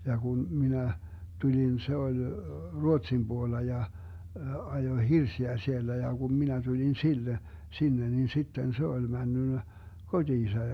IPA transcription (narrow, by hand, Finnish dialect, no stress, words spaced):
jɑ kun minæ tulʲin se olʲ ruotsim b̥uolːɑ jɑ ɑjoĭ hirsiæ sielːæ jɑ kum minæ tulʲin silːe sinːe nin sitːen se olʲ mænːynːæ kod̥iːsɑ